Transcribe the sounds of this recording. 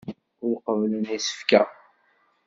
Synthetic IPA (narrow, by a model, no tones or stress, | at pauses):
ʊɾqəvlənisə̥fkæ